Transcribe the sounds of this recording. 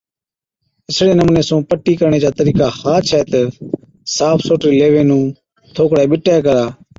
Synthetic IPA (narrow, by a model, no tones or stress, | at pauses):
ɪsɽeːnəmũːneːsũːpəʈːiːkəɾɳeːd͡ʒaːt̪əɾiːkaːhaːt͡ʃʰɛːt̪ə | saːpʰsoːʈɾiːleːʋeːnũː | t̪ʰoːkɽeːɓɪʈːeːkəɾaː